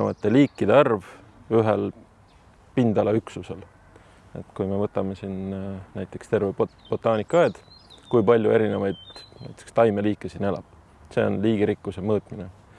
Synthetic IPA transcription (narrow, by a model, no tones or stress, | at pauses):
evɑt̪ːˑe̞liːkːid̪̥eɑrv | yɦel | pind̪̥ɑlɑyksuse̞l | e̞̰t̪kujme̞vɤt̪ːˑɑmesinnæjt̪ːˑe̞̥kst̪erveb̥o̞t̪ːˑɑːnikːˑɑɑːd̪̥kujpɑlʲjue̞ɾine̞vɑjd̪̥næ̰jt̪ːˑekst̪ɑjme̞liːkːˑesine̞lɑ̰b̥ | se̞o̞̰nliːɡ̥iɾikːˑusemɤːt̪mine